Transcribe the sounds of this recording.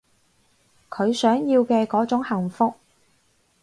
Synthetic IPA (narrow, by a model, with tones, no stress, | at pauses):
kʰɵ˨˧ɥsœː˨˥ŋjiː˧wkɛː˧kɔː˨˥t͡sʊ˨˥ŋhɐ˨˩ŋfʊ˧k̚